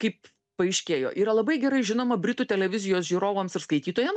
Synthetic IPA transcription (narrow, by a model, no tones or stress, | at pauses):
kɐɪp | pɐɪʃʲkʲeːjo̰ːʔiːɾɐlˠɐbɐɪɡʲɛɾɐɪʒʲɪnoːmɐbʲɾʲɪt̪uːt̪ʲɛlʲɛʋʲɪzʲɪjoːsʒʲiːɾoːʋoːmsɪɾskɐɪt̪ʲiːt̪oːjɛm